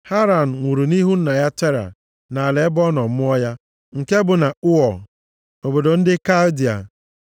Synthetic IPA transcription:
ha˦ɾa˨n̩˨ŋʷu˨ɾu˨ni˦ɦu˦n̩˦na˨ja˦te˦ɾa̰˨ | na˨a˨le˨˦bɔ˦nɔ˨m̩˦ɔ˦ja˦ | ŋ̩˨ke˦bʊ˨na˨ʊ˦ɔ˨ | o˨bo˨do˨n̩˦dɪ˦ka˦ldi˨a̰˨

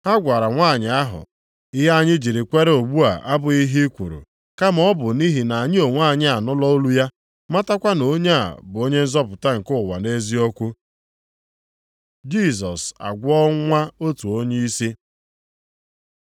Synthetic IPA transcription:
ha˦ɡʷa˨ɾa˨ŋʷaː˦˨ɲɪ˨a˦ɦʊ̰˨ | ɪ˦ɦa˦ɲɪ˦d͡ʒi˨ɾi˨kʷe˦ɾe˦o˨ɡ͡bu˦a̰˨ʔa˦bʊ˨i˦ɦi˦kʷu˨ɾṵ˨ | ka˦mɔ˦bʊ˨ni˦ɦi˨na˨ɲɪ˦o˨ŋʷa˦˨ɲɪ˦a˨nɔ˦lɔ˦o˦lu˦ja˦ | ma˦ta˦kʷa˦no˦ɲe˦a̰˨bʊ˨o˦ɲe˦n̩˦zɔ˦pʊ˨ta˦ŋ̩˨kʊ˦˨wa˨ne˦zi˦ɔ˦kʷu˦ | d͡ʒi˦˨s̬ɔ˨sa̰˨ɡʷɔ˦ŋʷa˦o˦tu˨o˦ɲe˦i˦si˦

